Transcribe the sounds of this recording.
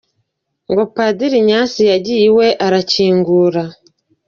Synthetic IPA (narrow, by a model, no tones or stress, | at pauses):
ŋɡo̞padiɾiɲaːsijaɟijiwe̞ʔaɾaciːŋɡuːɾa